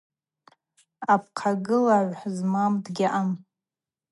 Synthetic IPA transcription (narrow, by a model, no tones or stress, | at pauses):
ap̚ʰqʰaɡɨlaʕʷħzmamdɡʲaʔam